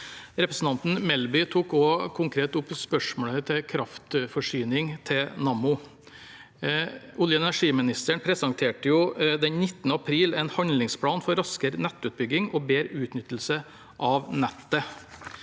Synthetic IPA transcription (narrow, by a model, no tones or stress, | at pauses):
ɾɛpɾəsn̩t̪ɑnt̪n̩mɛlbʏt̪ʰuːkokʰʊŋkʰɾeːt̪ʊpspœʂmoːɭət̪ʰɪkʰɾɑft̪fɔʂyːnɪŋt̪ʰɪnɑmʊ | ʊljəɛnæʂiːmɪnɪst̪əɳpʰɾɛsɑŋt̪ʰeːʈəjʊd̪ɛnnɪt̪ːnəɑpʰɾiːlɛɪnhɑnlɪŋspʰlɑːnfɔɾɑskəɾnɛt̪ːʉːt̪̚bʏɡɪŋɔːbeːɾʉːt̪nʏt̪ːl̩sə | ʔɑʋnɛt̪ːə